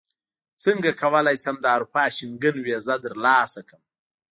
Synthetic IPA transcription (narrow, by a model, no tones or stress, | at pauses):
t͡səŋɡakʰawəlajsamd̪əaɾupɑːʃɪŋɡənwezad̪əɾlɑːsakəm